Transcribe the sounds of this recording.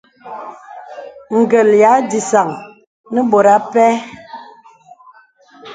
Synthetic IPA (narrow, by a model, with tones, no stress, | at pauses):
ŋ̩˨ɡə˨lja˨˦di˨sa˨ŋ | nə˦ɓo˨ɾa˦pɛ˦